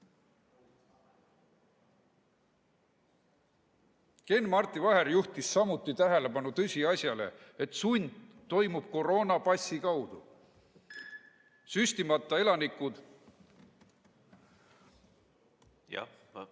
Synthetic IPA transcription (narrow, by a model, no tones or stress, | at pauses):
ke̞nmɑrt̪ˑːivɑɦe̞ɾjuht̪isːɑmut̪ːˑit̪æɦe̞le̞pɑnut̪ɤsʲiɑsjɑle̞̰et̪sunʲd̪̥ | t̪ːo̞jmub̥̚ko̞ro̞ːnɑpɑsʲːikɑwd̪̥u | sysʲt̪imɑt̪ːˑɑe̞lɑnikːˑud̪̥